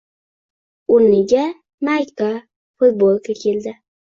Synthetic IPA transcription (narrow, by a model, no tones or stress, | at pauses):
ʊnnːɪɡʲa | majka | fʊt̪̚bolˠkʰakʲʰeld̪ɪ